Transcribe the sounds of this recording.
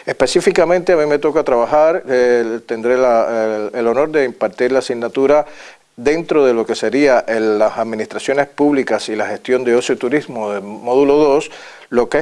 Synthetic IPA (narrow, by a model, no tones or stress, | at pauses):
ehpe̞sifikamẽ̞nt̪eamĩme̞t̪o̞kat̪ɾaβahaɾt̪e̞nd̪ɾelaelo̞no̞ɾd̪e̞impaɾt̪iɾlaːsiɡnat̪uɾa | ðe̞nt̪ɾo̞ðe̞lo̞ke̞se̞ɾiaʔeasaðmĩnist̪ɾasjo̞nespuβlikasilahe̞st̪jo̞nd̪eosjot̪uɾizmoðemoðulo̞ðo̞s | lo̞ke